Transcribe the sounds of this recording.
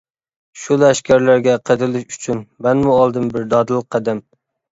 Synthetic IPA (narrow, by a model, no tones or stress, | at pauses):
ʃulˠæʃkʲæɾlæɾɡʲɛqʰəd̪ɾɨlˠɪʃyt͡ʃʰynmɛnmuɑlˠd̪ɨmbɪɾd̪ɑd̪ɨlˠəqʰːæd̪ɛm